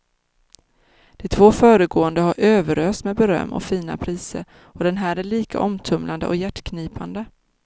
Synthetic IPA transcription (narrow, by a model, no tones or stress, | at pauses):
d̪̥ɛt̪ʰvoːfœːɾəɡoːənd̪əhaɾʔøːvəɾøːst̪mɛd̪bɛɾœ̰mːɔ̰fiːna̰pʰɾiːsə̰ɾ | ɔd̪ɛnɦæːɾæɭiːka̰ʔɔmt̪ʰɵmland̪ə̰ʔɔjæʈːkʰniːpand̪ə